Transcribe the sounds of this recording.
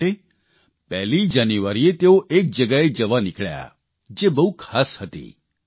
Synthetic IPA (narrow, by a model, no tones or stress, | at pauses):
e | pɛɦlid͡ʒaniʋaɾiet̪eoʔek̚d͡ʒəɡaed͡ʒəʋanɪkʰɭja̰ | d͡ʒebəɦukʰaːshət̪ḭ